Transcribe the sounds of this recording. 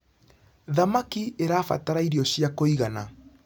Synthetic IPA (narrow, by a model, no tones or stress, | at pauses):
ðamakieɾaːfa̰taɾaiɾiɔɕjiakoiɣana